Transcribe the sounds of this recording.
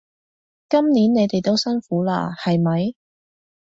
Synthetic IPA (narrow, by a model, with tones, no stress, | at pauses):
kɐ˥mniː˨˥nːe˨˧jt̪e˨jt̪o˥wsɐ˥nfuː˨˥la̰ː˧hɐ˨jmɐ˨j